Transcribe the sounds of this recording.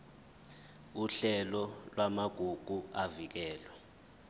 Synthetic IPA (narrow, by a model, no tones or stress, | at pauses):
uɬɛlɔlwamaɡ̥ʱuɡ̥ʱuavik̬ɛːlwɛ